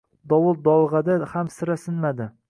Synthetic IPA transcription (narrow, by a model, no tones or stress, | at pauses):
d̪ɒwʊl̚d̪ɒlˠʁɑd̪ahamsɪɾasɪnmad̪ɪ